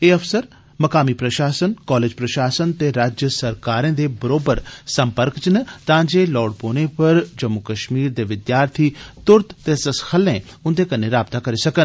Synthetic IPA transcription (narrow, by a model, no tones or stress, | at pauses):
eːɐfsəɾ | mɐkaːmipɾɐʃaːsənkɔːleːd͡ʒpɾɐʃaːsənt̪eɾaːd͡ʒjəsɐɾkaːɾẽd̪ebɐɾoːbəɾsɐ̃mpəɾkt͡ʃinət̪ɐãːd͡ʒelɔːɽpoːnẽpɐɾd͡ʒɐmːukɐʃmiːɾd̪eʋɪd̪jaːɾt̪ʰit̪ʊɾt̪ʰt̪esɐsxʰɐlːẽ | ʊ̃nd̪ekɐnːẽɾaːb̚t̪akɐɾisɐkən